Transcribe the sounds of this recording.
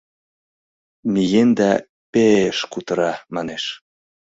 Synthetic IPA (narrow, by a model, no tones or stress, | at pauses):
mijend̪æ | peeʃkut̪ɤɾɑmɑneʃ